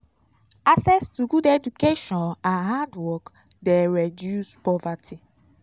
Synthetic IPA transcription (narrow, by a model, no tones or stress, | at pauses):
asɛstuɡuded͡ʒukeʃɔ̃nãnɦadwɔk | deɹedjuspɔvatʰi